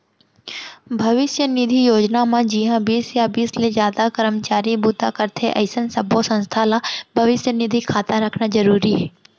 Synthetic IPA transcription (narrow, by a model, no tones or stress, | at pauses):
bʱɐʋɪʃjənɪd̪ʱijoːd͡ʒnamãd͡ʒiːɦãbiːsjabiːslezjaːd̪akəɾəmt͡ʃaːɾibuːt̪akəɾt̪ʰeʔɐ̰ɪsənsɐbʱosɐ̃nst̪ʰalabʱɐʋɪʃjənɪd̪ʱikʰaːt̪ãɾɐkʰnad͡ʒɐɾuːɾiɦɛː